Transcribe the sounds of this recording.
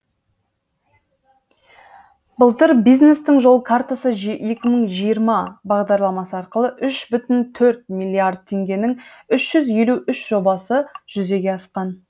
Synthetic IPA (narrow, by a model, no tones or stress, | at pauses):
bəlˠt̪əɾbijzne̞st̪ɪŋʒo̞lˠəkʰart̪asəʒje̞kʲɪməɴʒijəɾmɑbɑʁd̪ɑɾlˠɑmɑsəɑɾqəlˠəʔʏʃbʏt̪ɪnt̪ʰɵɾt̪̚milʲˠːiard̪̚t̪ʲʰːe̞ŋɡʲe̞nɪŋʏʃʒ̥ʏzje̞luʏʃʒ̥o̞bɑsəʒ̥ʏze̞ɡʲe̞ɑsqɑn